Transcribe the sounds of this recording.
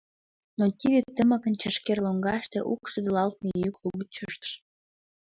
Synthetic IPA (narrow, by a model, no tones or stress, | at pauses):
not̪ʲid̪et̪ːəmə̆kə̆nt͡ɕəʃkerloŋɡɑʃt̪eʔukʃud̪əlɑlt̪̚mejykluɣət̪̚t͡ɕəʃt̪ə̥ʃ